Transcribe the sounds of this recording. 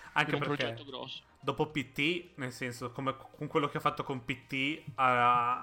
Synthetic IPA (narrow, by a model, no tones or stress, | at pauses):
aŋkkepeɾkeoɡɾɔsː | d̪oːpopit̪ːinelsɛnsokomekʰoŋkwelːok̟eɔfːat̪ːokompit̪ːiaa